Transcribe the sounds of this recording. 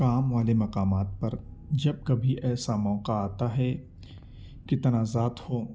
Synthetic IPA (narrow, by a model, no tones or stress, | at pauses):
kaːmʋaːlemɐqaːmaːt̪̚pɐɾd͡ʒɐb̚kɐbʱiʔɛːsamɔːqaaːt̪aɦɛ | kɪt̪ɐnaːzaːt̪hoː